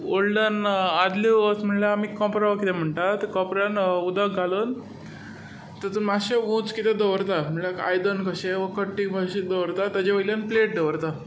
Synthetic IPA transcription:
oɭɖənad̪liʋəsm̤əɳlaamikːɔ̃pɾaʋakit̪ʰɛm̤əɳʈat̪kɔ̃pɾanud̪əɡʱalən | t̪əɾt̪umaɕeʋõt͡skit̪ɛd̪əʋɾt̪am̤əɭlaka̰jd̪ənkəɕeʋəkəʈːibəɕid̪əʋɾt̪at̪əd͡ʑeʋəlanpleʈ̚d̪əʋɾt̪a

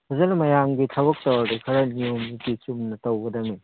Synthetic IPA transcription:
hɐzɐnɐmɐjamɡitʰɐbɐk̚tɐwadikʰɐɾɐniomitisumnɐtɐwɡɐdɐmi

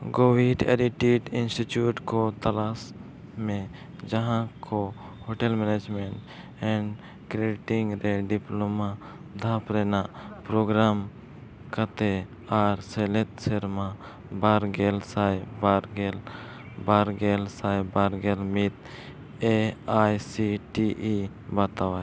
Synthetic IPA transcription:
ɡoːʋiːʈḛɾiʈiːʈɪnsʈit͡ʃjuːʈkot̪əlaːs | mẽ | d͡ʒəɦãkʰo | hoːʈelmɛneːd͡ʒmeɳʈ | ɛ̃ɳɖ | kɾeɖɪʈɪ̃ŋɡɾeɖɪploma | d̪ʱaːpɾeːnapɾoːɡɾaːm | kət̪e | aːɾseːlet̪seɾmã | baːɾɡeːlsaːjbaːɾɡel | baːɾɡeːlsaːjbaːɾɡeːlmit̪ | eaːjsiʈiːʔi | bat̪aʋaːe

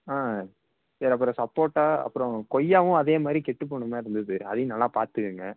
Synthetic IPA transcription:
aː | sɐːɾɐpːɯɾɔ̃sɐpːoːɾʈːaːɐ̰pːɯɾɔ̃kɔjːaːʋʊ̃ɐðeːmaːd̪ɾikɛʈːɯp̬ːoːɳːɯmaːɪɾɯnd̪ɯðɯɐðɐjʊ̃nɐlːaːpaːɾt̪ɯkːɯŋɡɐ

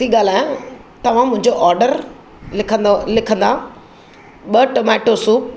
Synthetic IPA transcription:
t̪iɠaːl̤aːjãt̪ɐʋ̤ãmʊ̃ɦɪ̃ɲd͡ʑoʔɔːɾɖəɾʰ | lɪkʰə̃nd̪a | ɓɐʈomɛːʈosuːp̚

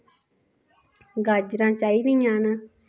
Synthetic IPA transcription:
ɡad͡ʒɾãːt͡ʃaːid̪ijãːnə

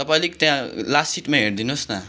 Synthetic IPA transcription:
t̪ʌpaĩlekt̪jãlassiʈmãɦeɽd̪inosna

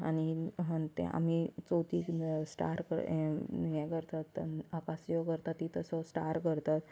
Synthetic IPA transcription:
aniɦət̪ɛ̰̃ʔa̰mit͡sot̪iːksʈa̰ɾkə̰ɾnijajkəɾt̪at̪ːakasjokəɾt̪at̪ːit̪əsɔsʈaɾkəɾt̪at̪

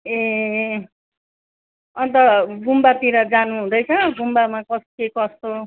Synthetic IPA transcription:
e | ʌnt̪ʌɡumbat̪iɾʌd͡zanuɦũd̪ʌjt͡sʰʌɡumbamakʌskekʌst̪o

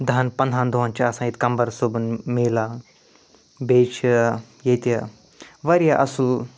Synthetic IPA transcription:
d̪ɐɐnpɐnd̪ʱaːnd̪oɦɐnt͡ʃʰasãːit̪kɐmbɐɾsobunmeːla | beːt͡ʃʰ | jet̪ɐ | ʋɐɾijaʔɐsul

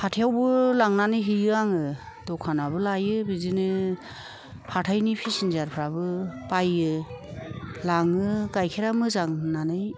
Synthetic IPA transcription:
hatʰijawbɯlaŋnanɯjɦijɯaŋɯ | dɔkʰanabɯlajɯbizinɯ | hatʰajnipʰisinzaɾpʰɾabɯpajɯ | laŋɯɡajkʰeɾamɯzaŋnanɯj

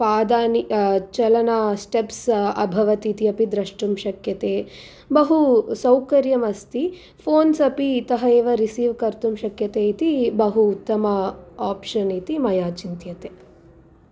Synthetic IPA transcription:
paːd̪aːnit͡ʃɐlɐnɐsʈepsɐ̰bʱɐʋɐt̪iːt̪iɐpid̪ɾɐʂʈumʃɐkjɐt̪eː | bɐɦusɐwkɐɾjɐmɐst̪i | pʰoːnsɐpiːt̪ɐɦɐeːʋɐɾisiːʋkɐɾt̪umʃɐkjɐt̪eːit̪ibɐɦuːt̪ːɐmɐaːpʂɐnit̪imɐjaːt͡ʃint̪jɐt̪eː

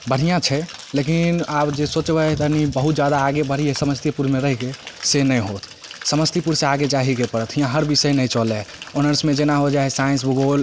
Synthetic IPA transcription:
bəɽ̤ijãt͡ʃʰɛlekinabd͡ʒesot͡ʃbət̪ənibəɦut̪̚d͡ʒad̪aːɡebəɽ̤ijesəməst̪jipuɾmeɾəɦikesenəjɦot̪ʰ | səməst̪ipuɾseaɡet͡ʃaɦikepəɾət̪ʰɦĩjãɦəɾbisəjnəjt͡ʃɔlɛonəɾsmed͡ʒenaɦod͡ʒaɛsaĩns̬buɡol

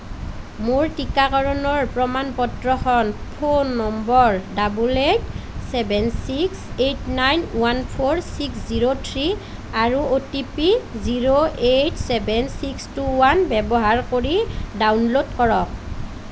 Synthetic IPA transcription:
moɹtikakɔɹɔnɔɹpɹɔmanpɔtɹɔxɔnpʰonːɔmbɔɹdabuletsɛbɛnsiksetnajnwanpʰoɹsiksziɹotʰɹi | aɹuotipiziɹoʔetsɛbɛnsikstuwanbɛbɔɦaɹkoɹidawnlodkɔɹɔk̚

